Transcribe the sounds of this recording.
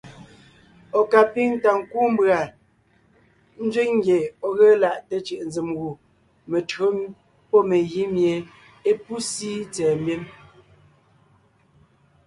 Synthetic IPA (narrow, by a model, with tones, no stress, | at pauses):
ɔ˨ka˨pi˦ŋta˨ŋ̩˨ku˦m˦bɰa˨ | n̩˦d͡ʒwi˦ŋŋ˦ɡje˨ɔ˨ɣə˦la˦˨ʔte˨t͡ʃi˨ʔn˦d͡zi˨mɣu˨ | me˨tɰo˦m | pɔ˦me˨ɣi˦mje˨ | e˦pu˦si˦t͡sɛː˨mbje˦m